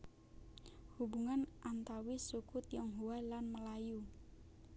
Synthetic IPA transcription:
hubuŋanʔant̪awisukʊt̪jɔŋɦuwalanməlaju

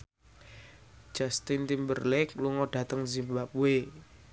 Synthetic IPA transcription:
d͡ʒ̥ast̪int̪imbərlɛk̚luŋɔɖ̥ä̤t̪əŋzimbap̚we

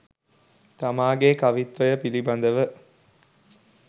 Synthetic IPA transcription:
t̪amaːɡeːkɐʋit̪ʋɐjəpilibɐnd̪əʋə

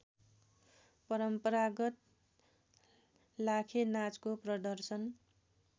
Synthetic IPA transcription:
pʌɾʌmpʌɾaɡʌt̪̚ | lakʰenat͡skoprʌd̪ʌrsʌn

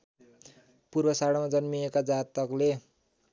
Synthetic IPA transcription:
purbʌsaɽamad͡zʌnmiekad͡zat̪ʌkle

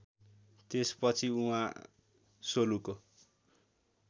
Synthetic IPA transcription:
t̪espʌt͡sʰiuɦã̰ | soluko

